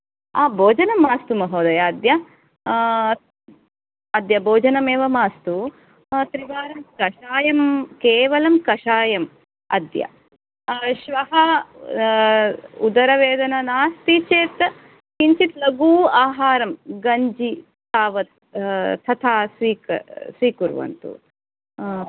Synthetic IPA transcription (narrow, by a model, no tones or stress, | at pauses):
aːbʱoːd͡ʒɐnɐmːaːst̪umɐɦoːd̪ɐjɐːd̪jɐ | ɐd̪jɐboːd͡ʒɐnɐmeːʋɐmaːst̪u | t̪ɾibaːɾɐmkɐʃaːjɐmkeːʋɐlɐmkɐʃaːjɐm | ɐ̰d̪jɐ̰ | ʃʋɐɦɐ | ud̪ɐɾɐʋeːd̪ɐnɐnaːst̪it͡ʃeːt̪ | kiɲt͡ʃit̪lɐɡuːaːɦaːɾɐmɡɐɲd͡ʒi | t̪aːʋɐt̪̚ʰː | ɐt̪ʰaːsʋiːkɐ̰sʋiːkuɾʋɐ̰nt̪ṵ